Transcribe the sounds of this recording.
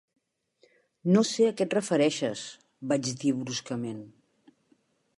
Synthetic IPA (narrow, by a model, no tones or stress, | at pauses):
noseəkɛt̪rəfəɾɛʃəs | bad͡ʒd̪iβɾuskəmen